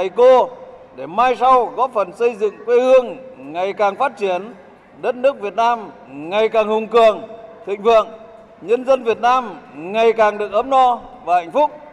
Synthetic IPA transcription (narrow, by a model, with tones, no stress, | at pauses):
a˨˩jko˧ | ɗe˧˩maː˧jsa˧wɣɔ˨˦˥fə˨˩nsə˧jzɨ̰˧˨ŋkwe˧hɨ˧əŋŋa˨˩jkaː˨˩ŋfaː˦˥t̚t͡ɕi˧˦ən | ɗə˦˥t̚nɨ˦˥ək̚vi˨˩ət̚naː˧m | ŋa˨˩jkaː˨˩ŋhʊ˨˩ŋ͡mkɨ˨˩əŋt̪ʰḭ˧˨ŋ̟fɨ̰˧˨əŋ | ɲə˧nzə˧nvi˨˩ət̚naː˧mŋa˨˩jkaː˨˩ŋɗɨ˨˩ək̚ʔəː˨˦˥m̚nɔ˧vaː˨˩ha˧˨jŋ̟fʊ˦˥k͡p̚